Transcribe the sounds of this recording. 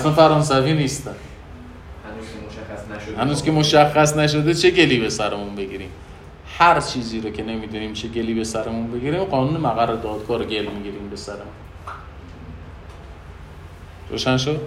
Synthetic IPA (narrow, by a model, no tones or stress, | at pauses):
ʔæsænfæɾɒːns̬æviːniːst̪æn | hænuːz̥kʰʲemo̞ʃæxːæsnæʃ̬od̪et͡ʃʰeɡe̞liːbe̞sæɾemunbe̞ɡiːɾiːm | hæɾt͡ʃʰiːziːɾokʰe̞ne̞miːd̪uːniːmt͡ʃʰe̞ɟeliːbe̞sæɾemunbe̞ɡiːɾiːmɢɒːnuːnemæɣærːed̪ɒːd̪ɡɒːɾoɟe̞lmiɟiːɾiːmbe̞sæɾemun | ɾo̰ːʃænʃod̪